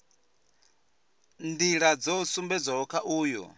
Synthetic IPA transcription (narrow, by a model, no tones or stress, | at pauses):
ndiɺad͡zɔusumbɛd͡zʷaɦɔkʰaʔuːjɔ̰